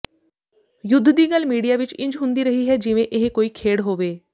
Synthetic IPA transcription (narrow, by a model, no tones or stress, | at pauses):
jʊd̪ʱːd̪iːɡəlmiːɽijaːʋɪt͡ʃɪ̃ɲd͡ʒɦʊ̃nd̪iːɾəɦiːɦɛːd͡ʒɪʋẽːʔɪɦekoːiːkʰeːɽɦoːʋeː